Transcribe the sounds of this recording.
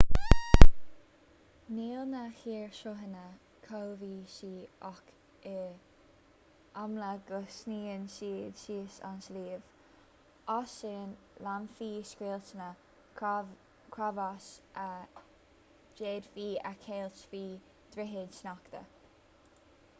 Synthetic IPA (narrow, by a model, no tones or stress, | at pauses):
niːlnəxiːɹʃʊɦənə | kʰolviːʃiːʔɔk | ɪ | amləɡ̥ʊsniːənʃiːdʃiːsa̰nsliːv | ɔʃɪn | lamfiːskweːlt͡ʃənə | kʰɹavaʃə | d͡ʒeːd̪fiːə̰kʰeːlt͡ʃfiː | d̪̥ɾɪɦɪd̪ʃnɔkt̪ə̰